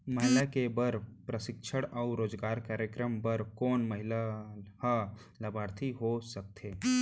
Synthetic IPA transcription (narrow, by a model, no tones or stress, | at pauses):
məɦɪlakebɐɾpɾəsɪkʃʰəɽɔʊɾoːd͡ʒɡaːɾkaːɾjəkɾəmbɐɾkɔːnmɐɦɪlaha | lɐbaːɾt̪ʰiɦosɐk̚t̪ʰeː